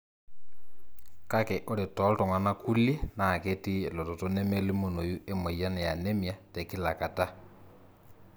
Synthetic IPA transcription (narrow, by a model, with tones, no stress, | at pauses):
ka˦ke˨ʔo˦le˨tɔ˨˦lto˨ŋwa˨na˦ku˦lje˦na˨ke˦ti˦˨lo˨to˨to˦nɛ˦me˦li˦mo˨no˨ju˦ʔe˦mo˨ja˦nɛ˨ja˨ne˦mja˨te˨ki˦la˨ka˨ta˦